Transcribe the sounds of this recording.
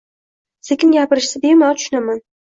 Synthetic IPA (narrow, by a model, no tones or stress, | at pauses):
sekʲʰɪnɡʲapɪɾɪʃsɪd̪emat̪ʰʊ̥ʃʊnaman